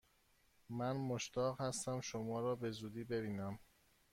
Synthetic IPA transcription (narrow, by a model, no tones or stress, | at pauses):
mænmoʃt̪ʰɒːɣhæst̪æmʃomɒːɾɒːbe̞zuːd̪iːbe̞biːnæm